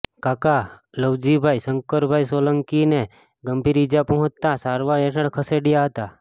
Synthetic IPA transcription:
kaːkaləwd͡ʒibʱaisəŋkəɾbʱaisoːləŋkine | ɡəmpiɾid͡ʒapəɦʊ̃t͡ʃt̪ːasaːɾʋaɾeʈʰəɽ̃kʰəseɖijaɦət̪a

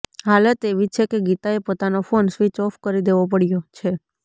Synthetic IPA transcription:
ɦalt̪eʋit͡ʃʰekeɡit̪aepot̪anofonsʋit͡ʃɔfkəɾid̪eʋop̬əɽjot͡ʃʰe

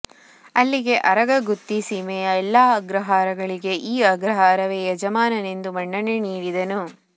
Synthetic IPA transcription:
ɐlːiɡe̞ʔɐɾɐɡɐɡut̪ːisimɛjɐɛlːaːɐɡɾɐɦaːɾɐɡɐɭiɡe̞ʔiːɐɡɾɐɦaːɾɐʋeːjɐd͡ʒɐmaːnɐne̞nd̪umɐɳːɐneniːɽid̪ɐnu

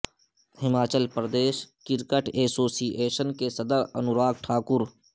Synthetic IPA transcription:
hɪmaːt͡ʃəlpɾəd̪eːʃkɪɾkəʈeːsoːsiʔeːʃənkesəd̪əɾə̰nʊɾaːk̚ʈʰaːkʊɾ

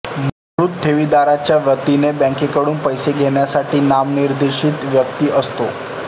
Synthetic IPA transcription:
məɡɾut̪̚ʈʰeʋid̪aɾat͡ɕjaʋət̪inebɛ̃ŋkekəɽuːnpəjseɡʱeɳjasaʈiːnamniɾd̪iʂit̪ʋjəkt̪iːəst̪o

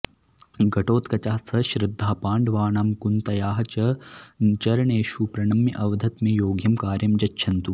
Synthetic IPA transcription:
ɡɐʈoːt̪kɐt͡ʃaːsʰɐʃɾɪd̪ʱːaːpaːɳɖʋaːɳaːmkunt̪ɐjaːɦɐt͡ʃɐ | t͡ʃɐɾɐɳeːʃupɾɐɳɐmjɐʔɐʋɐd̪ʱɐt̪meːjoːɡjɐmkaːɾjɐmd͡ʒɐtːʃʰɐnt̪u

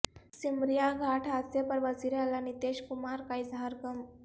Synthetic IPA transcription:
simɾijaɡʱaʈʰat͡sepəɾʋət͡siɾealanit̪eɕkumaɾkaiːd͡zʱaɾɡəm

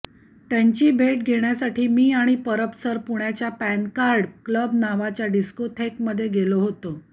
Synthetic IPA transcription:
t̪jaɲt͡ɕiːbʱeʈ̚ɡʱeɳjasaʈʰiːmiːaɽ̃ipəɾəpsəɾpuɽjat͡ɕjapænkaɾɖkləbnaʋat͡ɕjaɖiskoʈʰekməd̪ʱːjeɡeloɦot̪o

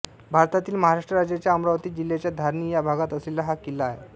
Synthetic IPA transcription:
bʱaɾt̪at̪iːlməɦaɾaʂʈɾəɾad͡ʑjat͡ɕjaəmɾaʋt̪iːd͡ʑilːet͡ɕjad̪ʱaɾnijabʱaɡat̪əslilːaɦakilːaːɦḛ

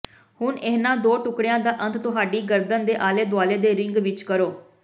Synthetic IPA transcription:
hʊɳeːnãːd̪oːʈʊkɽɪjãːd̪aːʔə̃nt̪ʰt̪ʊɦaːɖiːɡəɾd̪ənd̪eːʔaːleːd̪ʊaːleːd̪eːɾɪŋɡʋɪt͡ʃkəɾoː

